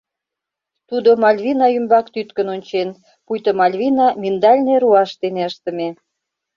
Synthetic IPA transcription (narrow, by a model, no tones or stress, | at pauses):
t̪ud̪omɑlʲβʲinɑymbɑkt̪yt̪kənonʲt͡ɕen | pujt̪əmɑlʲβʲinɑmind̪ɑlʲneɾuɑʃt̪eneəʃt̪ə̆me